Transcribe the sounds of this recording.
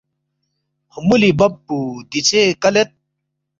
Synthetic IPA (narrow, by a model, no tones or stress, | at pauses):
humulibɐpːud̪it͡ɕekɐlet̪̚